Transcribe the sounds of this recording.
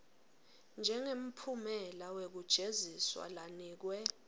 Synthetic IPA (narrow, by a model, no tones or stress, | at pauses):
nd͡ʒʱɛŋem̩pʰumɛlawek̬ud̥ʒ̥ʱeziswa̰laniːk̬wɛ